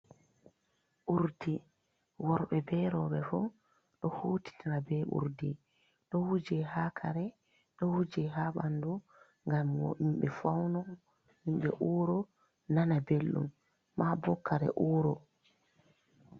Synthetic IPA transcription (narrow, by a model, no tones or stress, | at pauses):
ʔuɾdi | wɔɾɓɛbɛɾɔɓɛfu | ɗɔhuːti̥tʰiɾabɛʔṵɾdi | ɗɔhud͡ʒɛhaːkʰaɾɛ | ɗɔhud͡ʒɛɦaɓandu | ŋɡamwɔ̰ʔimɓɛfawnɔ | himɓɛ̰ʔuːɾɔ | nanabelːṵmː | abɔkːaɾɛ̰ʔuːɾɔ